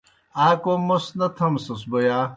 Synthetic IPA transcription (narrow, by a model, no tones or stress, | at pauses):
aːkomɐsnɐt̪ʰɐmsɐsbojaː